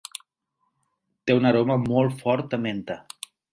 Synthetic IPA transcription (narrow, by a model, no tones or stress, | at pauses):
t̪eunəɾoməmɔlˠt̪fɔɾt̪əment̪ə